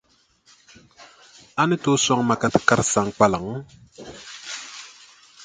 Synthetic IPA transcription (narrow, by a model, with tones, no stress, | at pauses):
a˦nɪ˦to˦swa˦ŋma˨ka˨tɨ̥˨ka˦ɾsa˨ŋk͡pa˦la˨ŋ˦